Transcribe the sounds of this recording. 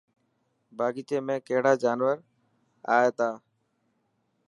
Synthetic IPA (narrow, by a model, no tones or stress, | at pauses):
bʱaːɡiːt̪eːmẽːkeɦɽaːd͡ʒaːnʋəɾ | a̰ːeːt̪aː